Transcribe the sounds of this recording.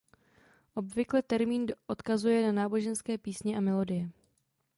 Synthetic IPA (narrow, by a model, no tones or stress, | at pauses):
ʔo̞bvɪklɛt̪ɛɾmiːnʔo̞t̪kazujɛnanaːbo̞ʒɛnskɛːpiːsɲɛʔamɛlo̞dɪjɛ